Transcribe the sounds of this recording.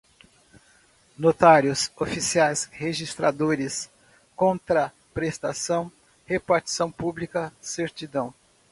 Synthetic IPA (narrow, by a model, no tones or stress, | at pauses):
not̪aɾjʊsofisiajsheʒist̪ɾa̰d̪oɾɪs | kõnt̪ɾɐ | pɾest̪asɐ̃w̃ | hepaɾt͡ʃi̥sɐ̃w̃publikɐseɾt͡ʃid̪ɐ̃w̃